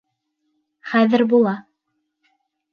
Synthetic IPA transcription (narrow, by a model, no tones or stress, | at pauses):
χæðɘɾbulˠɑ